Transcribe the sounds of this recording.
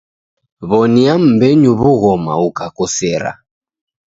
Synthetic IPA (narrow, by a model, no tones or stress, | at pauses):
βɔniam̩bɛɲuβuɣɔma̰ukakɔsɛɾa̰